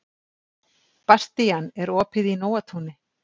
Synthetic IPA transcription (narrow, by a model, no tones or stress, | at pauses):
past̪ijanɛɾɔːpʰɪðinoːwat̪ʰhunɪ